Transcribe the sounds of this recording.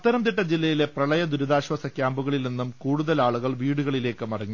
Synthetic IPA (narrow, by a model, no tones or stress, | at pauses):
ɐt̪ːɐɾɐmt̪̬iʈːɐd͡ʑilːɐjile̞prɐɭɐjɐd̪uɾuðaːɕwɐsɐkʲːjaːmbuɣɐɭilninːumkuːɽuðɐlaːɭuɣɐɭʋiːɽuɣɐɭile̞ːkːɨmɐrɐɲːu